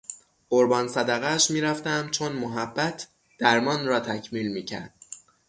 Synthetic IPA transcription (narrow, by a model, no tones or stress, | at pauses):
ʔoɾbɒːnsæd̪æɣæʃmiːɾæft̪æmt͡ʃʰonmoɦæbːæt̪ʰ | d̪̥æɾmɒːnrɒːt̪ʰæcʰmiːlmiːcʰæ̰ɾd̪̥̚